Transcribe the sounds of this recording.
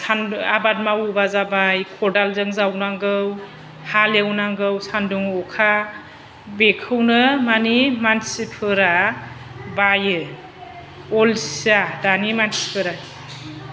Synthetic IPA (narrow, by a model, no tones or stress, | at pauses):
sʰanabad̚mawubazabajkʰɔdalzɯŋzawnaŋɡɯw | halewnaŋɡɯwsanduŋɔkʰa | bekʰɯwnɯmanimansipʰɯɾa | bajɯ | ɔlsi̥adanimansi̥pʰɯɾaj